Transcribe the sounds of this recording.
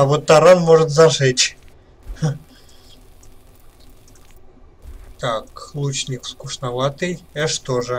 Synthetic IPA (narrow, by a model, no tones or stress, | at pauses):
ɐvot̪ːɐɾanmoʐɨt̪zɐʐɛt͡ɕʲ | t̪aklˠut͡ɕnʲɪkfskʊʂnavat̪ɨjɛʂt̪oʐɨ